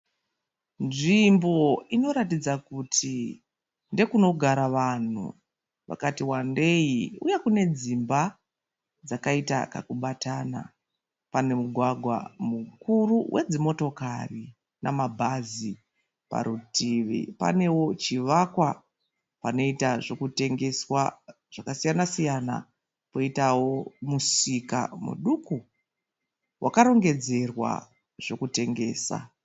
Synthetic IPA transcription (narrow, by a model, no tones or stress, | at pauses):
nʐimbo̞ino̞ɾatid͡zakutʰi | nde̞kuno̞ɡʱaɾaʋan̤ṵ | ʋa̰katiwande̞iujekune̞d͡zimba | d͡zakaita̰ka̰kuɓatana̰ | pane̞muɡʱwaɡʱwa̰mukuruwʔed͡zimo̞to̞kari | namabʱazi | pa̰ɾutʰiʋḭpa̰ne̞wo̞t͡ʃiʋakwa | pano̞itaʐo̞kute̞ŋɡe̞swa | ʐ̥akasijanasijana̰ | po̞itawo̞musika̰mṵɗuku | wʔakaɾo̞ŋɡe̞d͡ze̞rwa̰ | ʐ̥o̞kute̞ŋɡe̞̰ːsa̰